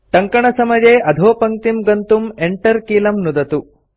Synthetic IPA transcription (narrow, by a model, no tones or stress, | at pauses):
ʈ̪ɐŋkɐɳɐsɐmɐd͡ʒeːʔɐd̪ʱoːpɐŋt̪imɡɐnt̪umeɳʈɐɾkiːlɐmnud̪ɐt̪u